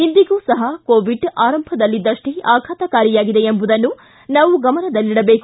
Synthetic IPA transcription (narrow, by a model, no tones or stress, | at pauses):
ind̪iɡuːsɐɦɐkoːʋiɖaːɾɐmbʱɐd̪ɐlːid̪ːɐʂʈiaːkʰaːt̪ɐkaːɾijaːɡid̪e̞embud̪ɐnːu | naːʋuɡɐmɐnɐd̪ɐlːiɽɐbe̞ːku̥